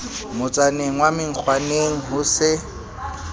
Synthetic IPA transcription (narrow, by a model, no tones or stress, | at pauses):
mʊt͡sʼaneŋ̩wamɪŋ̩k͡xʰwaneŋ̩ɦʊsɪ